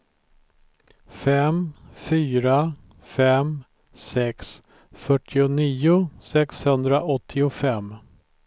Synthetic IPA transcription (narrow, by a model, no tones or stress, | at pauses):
fɛmfyːɾa | fɛm | sɛks | fœʈʰːɪʊniːʊsɛkshɵnd̪ɾaʔɔt̪ʰːɪʊfɛmː